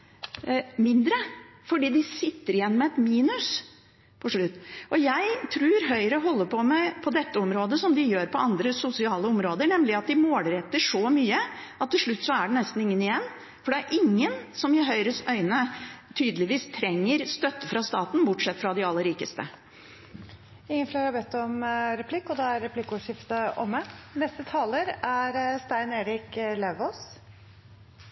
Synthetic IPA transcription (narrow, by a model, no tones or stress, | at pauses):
mɪnd̪ɾə | fɔɖiːd̪ɪsɪt̪ːəɾɪjɛnːmɛɛt̪miːnʉs | pʰɔʂɭʉt̪ːʔɔjæɪt̪ʰɾʉːɾɦœʏɾəɦɔlːəpʰɔmɛpʰɔd̪ɛt̪ːəɔmɾoːd̪əsɔmd̪ɪjøːɾpʰɔɑnd̪ɾəsʊsɪɑːləɔmɾoːd̪əɳɛmlɪɑt̪̚d̪ɪmoːlɾɛt̪ːəʂɔmyːəɑt̪ʰːɪlʂɭʉt̪ːsɔæɖɛnɛst̪n̩ɪŋːənɪjɛnː | fɔɖɛæɾʔɪŋːənsɔmɪɦœʏɾəsœʏnət̪ʰyːd̪əlɪʋiːst̪ʰɾɛŋːəɾst̪œt̪ːəfɾɑst̪ɑːt̪nbʊʈʂɛt̪ːfɾɑd̪ɪɑlːəɾiːkəst̪ə | ɪŋːənfleːɾhɑɾbɛt̪ːɔmɾɛpʰlɪkːɔd̪ɛːæɾɾɛpʰlɪkːuːʂjɪft̪əʔɔmːɛnɛst̪ət̪ʰɑːləɾæɾst̪æɪneːɾɪklɛʋoːs